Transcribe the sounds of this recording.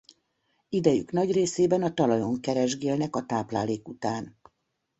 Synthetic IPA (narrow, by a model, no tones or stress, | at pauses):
id̪ɛjy̰knɒɟreːseːbɛnɒt̪ɒlɒjo̞ŋkɛɾɛʒɡeːlnɛkɒt̪aːplaːleːkut̪aːn